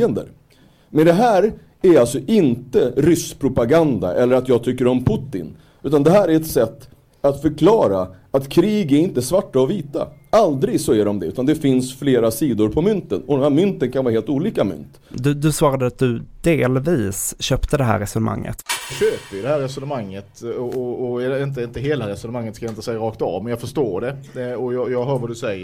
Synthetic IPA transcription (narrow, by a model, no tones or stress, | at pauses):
ənd̪ə̰ɾ | mɛnd̪ɛɦæːɾ | æɾalt̪sɔʔɪnt̪əɾʏspʰɾʊpaɡand̪a̰ʔɛlːəɾat̪jɑːɡt̪ʰʏkːəɾɔmpʰʊt̪ːɪ̰n | ʉ̟ːt̪and̪ɛɦæːɾæɾɛt̪sɛt̪ː | at̪fœɾkʰlɑːɾaat̪kʰɾiːɡæɾɪnt̪əsvaʈːaɔviːt̪a̰ald̪ɾɪɡsɔæɖɔmd̪ɛʉ̟ːt̪and̪ɛfɪnsfleːɾasiːd̪ʊɾpʰɔmʏnt̪ənɔd̪ɛnmhæːɾmʏnt̪ənkʰanvɑːɾaheːlt̪uːliːkamʏ̰nt̪ | d̪ɵd̪ɵsvɑːɾad̪əat̪̚d̪ɵd̪eːlviːsɕøːpt̪əd̪ɛɦæ̰ːɾɛsɵnəma̰ŋːʔə̰t̪ɑɕøːpəɾjɵd̪ɛhæːɾɛsɵnəmaŋːət̪ɔɔɔɛɖɛɪnt̪əɪnt̪əɦeːlaɾɛsɔnəmaŋːət̪skajaɪnt̪əsɛjɾɑːkt̪ɑ̰vmɛnjɑːɡfœʂʈoːɖɛɔjɑjɑːɡɦœːɾvad̪ɵsɛjːə